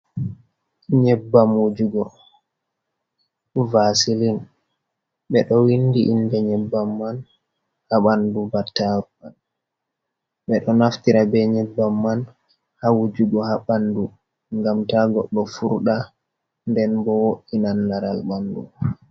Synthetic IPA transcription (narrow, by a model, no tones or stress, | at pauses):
ɲɛbːamod͡ʒuɡɔ | vasilin | ɓɛɗɔwindiʔindɛɲɛbːamːan | haɓandubatːaɾuan | ɓɛɗɔnaftiɾabɛɲɛbːamːan | hawud͡ʒuɡɔhaɓandu | ŋɡamtaɡɔɗːɔfuɾɗa | ndɛnbɔwoʔinanːaɾalɓandu